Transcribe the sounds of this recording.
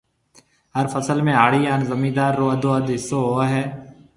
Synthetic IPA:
ɦəɾfʰəsəlmẽːaːɽiːaːnzəmiːd̪aːɾːoːəd̪oːəd̪ɪsoːɦoːɦɛː

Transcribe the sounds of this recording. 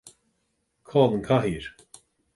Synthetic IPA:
kʰɔːlˠənkʰaɦiɾ̥

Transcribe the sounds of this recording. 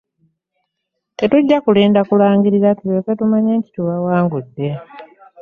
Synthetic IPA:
te̞tuɟːakuleːndakulaːŋɡiɾizatiβeːketumaɲe̞ːnti̥tuβawaːŋɡudːe̞

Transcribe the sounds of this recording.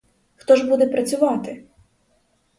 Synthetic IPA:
xt̪ɔʒbud̪ɛpɾɐt͡sʲʊʋɑt̪ɪ

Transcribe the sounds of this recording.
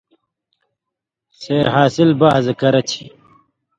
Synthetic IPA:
seːɾɦaːsilbazɐkɐɾɐt͡ɕʰi̥

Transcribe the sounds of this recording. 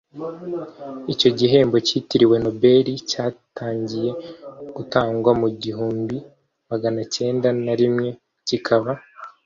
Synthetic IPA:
ico̞ɟiɦe̞ːmbo̞citiɾiwe̞no̞be̞ɾicaːtʰaːɲɟije̞ɡ̥utaːŋɡwamuɟihuːmbi | maɡanace̞ːndanaɾimŋe̞ | cikʰaβa

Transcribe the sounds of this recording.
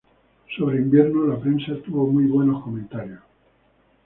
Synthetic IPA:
so̞βɾeimbje̞ɾnolapɾe̞nsat̪uβo̞mujβwe̞no̞hko̞mẽnt̪aɾjos

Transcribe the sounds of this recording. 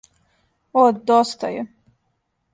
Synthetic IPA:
od̪d̪ost̪a̰jɛ

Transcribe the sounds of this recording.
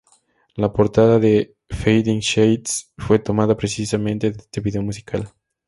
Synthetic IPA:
lapoɾt̪aðaðe | fejd̪iŋʃejt̪sfwe̞t̪o̞maðapɾesisamẽnt̪eðest̪eβiðe̞omus̬ikʰal

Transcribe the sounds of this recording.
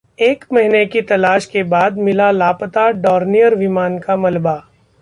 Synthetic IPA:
eːkmɐɦnekit̪ɐlaːʃkebaːd̪mɪlalaːpət̪aɖɔːɾnijəɾʋɪmaːnkamɐlba

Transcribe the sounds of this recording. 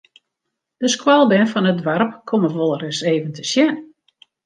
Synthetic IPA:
d̥əskwalˠbɛnfɔnədʋarpkʰoməʋolˠəɾɪseːvəntəsjɛn

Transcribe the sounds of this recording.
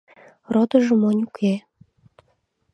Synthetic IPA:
rod̪ɤ̆ʒə̆monʲukʰʲe

